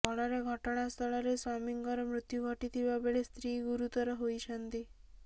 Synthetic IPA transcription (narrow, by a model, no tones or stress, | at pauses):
ɔɭɔɾeɡʱɔʈɔɽ̃ast̪ʰɔɭɔɾesɔmiŋɡɔɾɔmɾut̪juɡʱɔʈit̪ʰibabeɭest̪ɾiɡuɾut̪ɔɾɔɦoit͡ʃʰənt̪i